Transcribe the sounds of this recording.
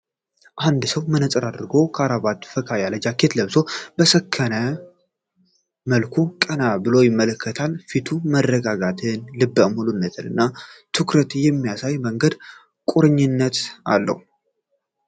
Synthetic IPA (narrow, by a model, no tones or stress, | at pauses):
ʔand̪səwmɨnət͡sʼɨɾad̪ɾɨɡo̞kʰaɾaβat̪fəkʰajaləd͡ʒakʰːet̪ləβso̞bəsəkʰːənə | məlkʰukʼənabɨlo̞jɪmːələkːət̪ʰalfit̪ʰumərːəɡaɡat̪ʰɨnlɨbːəmulunːət̪ʰɨlɨ̰nːat̪ʰɨkɾət̪jɛmːijasajməŋɡəd̪ | kʼuɾɨɲːɪnːət̪a̰lːə̰hu